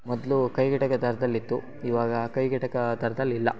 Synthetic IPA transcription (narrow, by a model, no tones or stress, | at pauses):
mɔd̪lukɐjɡɐʈɐkɐd̪ɐɾɐd̪ɐlːit̪ːu | iʋaːɡɐkɐjɡɛʈɐkɐd̪ɐɾɐd̪ɐlːilːɐ